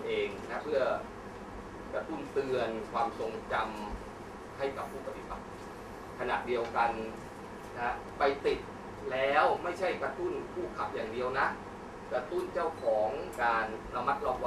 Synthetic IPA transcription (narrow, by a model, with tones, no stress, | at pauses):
ʔeː˧ŋna˦˥pʰɯ˥˩ɐ | kɾa˧t̪u˥˩nt̪ɯ˧ənkʰwaː˧mso˧ŋt͡ɕa˧m | ha˥˩jka˨˩pʰːuː˥˩pʰa˧pʰi˦˩pa˨˩k̚ | kʰa˧na̰˨˩ʔdi˧əwka˧n | na˦˥ | pa˧jt̪i˨˩t̪̚ | lɛː˦˥wma˥˩jt͡ɕʰa˥˩jkɾa˧t̪u˥˩nkʰuː˥˩kʰa˨˩p̚jaː˨˩ŋdi˧əwna˦˥ʔ | kɾa˧t̪u˥˩nt͡ɕa˥˩wkʰɔː˩˦ŋkaː˧nːa˦˧mːa˦˥t̪̚lɔː˥˩k̚wa˧